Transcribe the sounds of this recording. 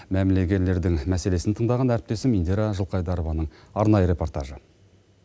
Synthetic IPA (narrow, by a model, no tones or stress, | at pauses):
mæmɪle̞ɡʲe̞ɾlːe̞ɾd̪ɪŋmæse̞le̞sɪnt̪ʰəɴd̪ɑʁɑnæɾɪp̚t̪e̞sɪmind̪eɾaʒəlˠqɑjd̪ɑɾovɑnəɴɑɾnɑjəɾe̞po̞rt̪aʒə